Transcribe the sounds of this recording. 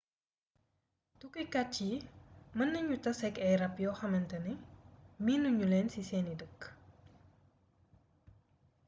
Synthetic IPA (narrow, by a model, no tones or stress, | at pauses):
tukukɐt͡ʃːimənːəɲutɐsɛkɛɾɐpjɔxɐmɐntɐnimiːnuɲuleːnsiseːnidək